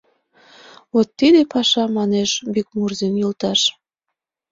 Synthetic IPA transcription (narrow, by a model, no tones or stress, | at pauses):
βot̪ːid̪epɑʃɑmɑneʃbyk̚murzinjult̪ɑʃ